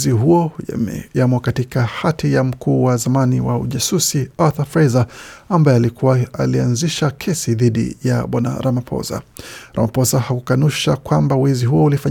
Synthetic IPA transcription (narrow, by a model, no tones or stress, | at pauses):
ziɦuɔ̰jamwakatikahatijam̩kʰuːwazamaniwaṵʄasusiaθafɾajzaambaɛalikuwaalianziʃakʰɛsiðiɗḭja̰ɓwana̰ɾamapʰɔ̰za̰ɾa̰mapɔsahakukanuʃakwambawiziɦuɔulifaɲ